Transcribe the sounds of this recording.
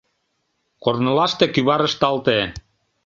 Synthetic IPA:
kornɤ̆lɑʃt̪ekyβɑɾə̆ʃt̪ɑlt̪e

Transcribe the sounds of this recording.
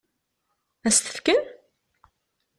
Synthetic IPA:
æst̪ə̥fkən

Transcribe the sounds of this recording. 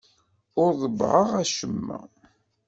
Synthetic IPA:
ʊɾðˤəbʕəʁæʃəmːə̰

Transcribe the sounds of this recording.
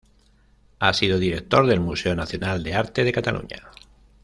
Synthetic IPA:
asiðoðiɾe̞k̚t̪o̞ɾðe̞lmuse̞onaθjo̞nald̪e̞aɾt̪e̞ð̞e̞kat̪alʔṵɲa̰

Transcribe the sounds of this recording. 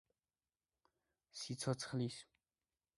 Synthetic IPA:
sit͡sʰɔt͡sʰə̥χlis

